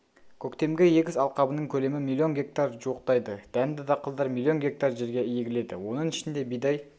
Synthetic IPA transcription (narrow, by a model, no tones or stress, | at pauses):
kʲʰɵkt̪e̞mɡʲejeɡʲɪzɑlˠqɑbənəɴkʲʰɵle̞mɪmilʲˠːio̞nɡʲe̞k̚t̪arʒuwəqt̪ɑjd̪əd̪̥ænd̪ɪd̪ɑqʰəlˠd̪ɑɾmilʲˠːio̞nɡʲe̞k̚t̪ɑrʒe̞ɾɡʲe̞jeɡʲɪle̞d̪ɪ̰wo̞nəɴɪʃɪnd̪e̞bijd̪ɑj